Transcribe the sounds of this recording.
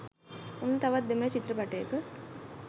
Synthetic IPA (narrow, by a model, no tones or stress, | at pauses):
onːət̪aʋat̪̚d̪emələt͡ʃit̪rəpaʈəjəkə